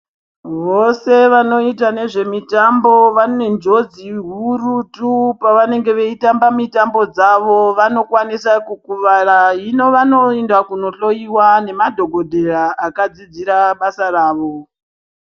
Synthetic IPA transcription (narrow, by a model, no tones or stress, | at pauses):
ʋo̞se̞ʋano̞itane̞ʐe̞mitambo̞ʋane̞nd͡ʒo̞d͡ziɦurutupaʋane̞ŋɡe̞ʋeitambamitambo̞d͡zaʋo̞ʋano̞kwanisakukuʋaraɦino̞ʋano̞endwakuno̞ɬo̞iwane̞madʱo̞ɡʱodʱe̞raʔakad͡zid͡ziɾaɓasaraːʋo̞